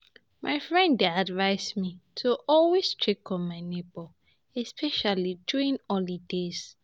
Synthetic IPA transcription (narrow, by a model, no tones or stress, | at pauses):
mʔaɪfɹɛ̃ndadvaɪsmitʰuʔɔlwestʰɹikɔ̃nmaɪnebɔ | ɛspʰɛʃalid͡ʒuɹĩnɔlidez